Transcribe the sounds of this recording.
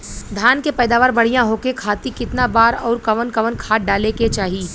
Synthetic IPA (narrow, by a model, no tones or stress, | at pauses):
d̪ʱjaːnkepɛːd̪aːʋaːɾbɐɽ̤ijãɦoːkekʰaːt̪ikɪt̪nabaːɾɔːɾkɐʋənkɐʋənkʰaːʈ̚ɖaːleket͡ʃaːɦiː